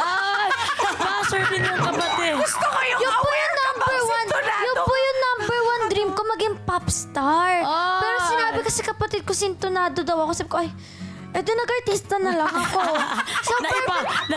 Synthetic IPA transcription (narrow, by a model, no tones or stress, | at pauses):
ajbaɐsɛɹd̪ɪnːɐŋkɐpɐt̪ɛd̪jʊnpujʊnnːambɛɹwanjʊnpʊjʊnnɐmbɛɹwand̪ɾiːmko̞mɐɡɪŋpapst̪aɹpɛːɾosɪnaːbɪkɐsɛkɐpɐt̪ɪd̪̚kosint̪onaːd̪od̪ɐwɐkosaːbɪkoʔɐj | ʔɛd̪ʊnɐɡɐɹt̪iːst̪ɐnɐlɐŋɐkosopba